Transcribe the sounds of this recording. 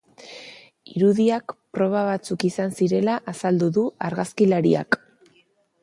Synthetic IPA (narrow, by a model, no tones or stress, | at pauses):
iɾuðiakpɾo̞β̞aβ̞at͡sukisansiɾe̞laʔasald̪uðuaɾɣaskilaɾḭa̰k